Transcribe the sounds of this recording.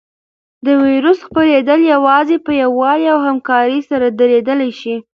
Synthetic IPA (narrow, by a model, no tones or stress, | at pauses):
d̪əwiɾusxpaɾed̪əljawɑzepəjawːɑliawhamkɑɾəsaɾad̪əɾed̪əlajʃi